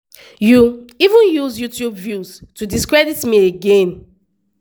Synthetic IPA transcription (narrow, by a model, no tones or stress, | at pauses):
juivũnjuzjutjubvjuz̥tudiskɹɛditmieɡẽn